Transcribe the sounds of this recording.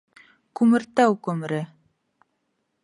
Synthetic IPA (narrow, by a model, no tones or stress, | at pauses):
kʉmɘ̆ɾt̪æwkɵm̆ɾɘ